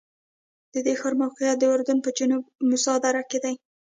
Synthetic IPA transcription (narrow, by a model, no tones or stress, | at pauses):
d̪̥əd̪exɑɾmawqɪjat̪̚d̪əʊɾd̪ʊnpəd͡ʒinubmʊsɑd̪aɾaked̪aj